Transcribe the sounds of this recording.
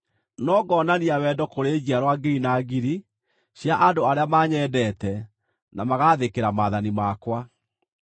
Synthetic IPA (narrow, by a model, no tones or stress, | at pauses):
nɔɡɔnaniawɛdɔkoɾeːɣiaɾwaɡiɾinaɡiɾi | ɕjaʔadoaɾeamaːɲɛdɛtɛ | namaɣaːðekeɾamaːðanimakwa